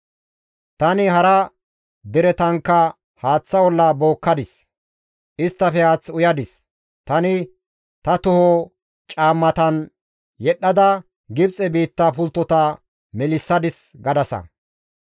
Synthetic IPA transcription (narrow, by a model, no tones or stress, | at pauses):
t̪ɐnɪɦɐɾɐ | d̪ɛɾɛt̪ɐŋkːɐ | haːt͡sːɐwɔlːɐbo̞ːkːɐd̪ɪs | ʔɪst̪ːɐfɛhaːt͡sːʊjɐd̪ɪs | t̪ɐnɪ | t̪ɐt̪ʊhɔ | t͡ʃʼaːmːɐt̪ɐn | jɛɗːɐd̪ɐ | ɡɪbt͡sʼɛbiːt̪ːɐpʊlt̪ːɔt̪ɐ | mɛlɪsːɐd̪ɪsɡɐd̪ɐsɐ̰